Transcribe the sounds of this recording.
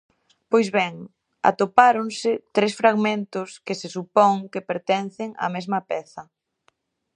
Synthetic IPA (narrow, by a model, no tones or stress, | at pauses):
pojzβɛŋ | a̰t̪opaɾoŋsɪt̪ɾesfɾaɣmẽnt̪ʊskɪsɪsupɔŋkɪpeɾt̪ɛnθɪŋɐ̰mezmɐpɛθɐ